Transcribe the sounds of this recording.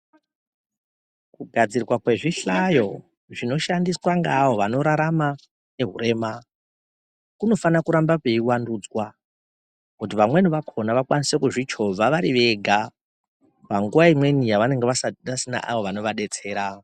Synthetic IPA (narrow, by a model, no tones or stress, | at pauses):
kuɡʱad͡zirrwakwe̞ʐiɬajo̞ | ʐino̞ʃandiswaŋɡaːwo̞ʋano̞ɾaɾama | ne̞ɦuɾe̞ma | kuno̞fanakuɾambapeiwandud͡zwa | kut̬iʋamwenoʋakʰo̞naʋakwanise̞kuʐit͡ʃo̞aʋaɾiʋe̞ɡʱa | paŋɡuʋaimwe̞nijaʋane̞ŋɡeasasina̰ʔa̰ʋo̞ʋano̞ʋaɗe̞t͡se̞ːɾa